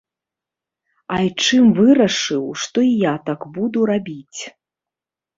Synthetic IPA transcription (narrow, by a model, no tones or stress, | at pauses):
ajt͡ʂɨmvɨɾɐʂɨwʂt̪ɔijat̪akbud̪uɾabʲit͡sʲ